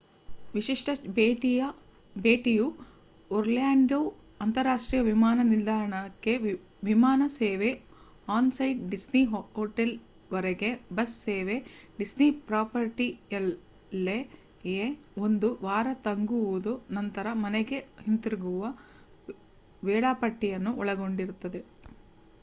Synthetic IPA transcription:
ʋiʃiʂʈɐbeʈiɐ | beːʈiju | oɾljaːɳɖoː | ɐnt̪ɐɾaːʂʈɾiːjɐʋimaːnɐniɾd̪ʱaːɾɐɳɐkːe | ʋimaːnɐseːʋe | aːnsɐjɖɖisniɦɦoːʈel | ʋɐɾeɡebɐsːeːʋeɖisnipɾaːpɐɾʈijɐl | lːe | je | ond̪uʋaːɾɐt̪ɐŋɡuʋud̪unɐnt̪ɐɾɐmɐnɛɡe̞hint̪ɾiɡuʋɐ | ʋɛːɭaːpɐʈːijɐnːuʔɔɭɐɡo̞ɳɖiɾut̪ːɐd̪e̞

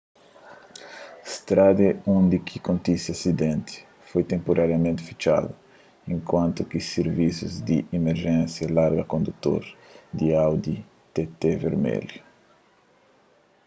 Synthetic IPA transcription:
st̪ɾad̪eũnd̪ikʰikõnt̪isiasid̪ẽnt̪ɪ̥ | fojt̪ẽmpoɾʔaɾjɐmẽnt̪ɪ̥fi̥t͡ʃa̰d̪ʊ | ẽŋkwãnt̪ʊkiseɾvisuzd̪iʔimeɾʒɛ̃nsjɐlaɾɡɐkõnd̪ut̪o̰ɾd̪iawd̪i | t̪et̪eveɾmɛ̰lju

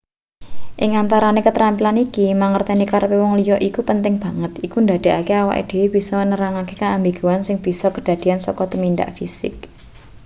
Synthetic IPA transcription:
ʔɪŋant̪aɾanekət̪ɾampilanikimaŋərt̪enikaɾpewɔŋlijɔʔikupənt̪ɪŋb̥a̤ŋət̪ikund̪ad̪̥e̤akeawa̰ʔḭd̪̥e̤web̥i̤sɔənəɾaŋakekaambiɡ̥ṳansɪŋb̥i̤sɔkəɖ̥a̤d̪̥i̤ansɔkɔt̪əmind̪a̰ʔfisɪ̰k̚

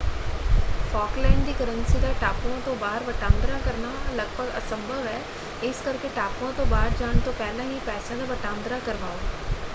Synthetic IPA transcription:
fɔːklaɪnd̪iːkəɾənsid̪aʈaːpwãt̪õbaːɦəɾʋɐʈãːnd̪ɾakəɾnalɐɡ̚bəɡɐsə̃mbʱəʋɦɛː | ɪskɐɾkeʈaːpʋãt̪õbaːɾd͡ʒaːɽ̃t̪opɛːlãɦipɛːsãd̪aʋɐʈãːnd̪ɾakɐɾʋaːo

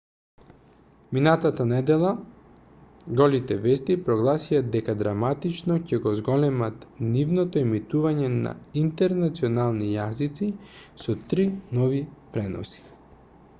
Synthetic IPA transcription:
minat̪at̪anɛd̪ɛlˠa | ɡɔlit̪ɛvɛst̪ipɾɔɡlˠasiad̪ɛkad̪ɾamat̪it͡ʃnɔcɛɡɔzɡɔlɛmat̪nivnɔt̪oimit̪uvaɲɛna̰int̪ɛɾnat̪sionalˠnijazit̪sisɔt̪ɾinɔvipɾɛnɔ̰si̥

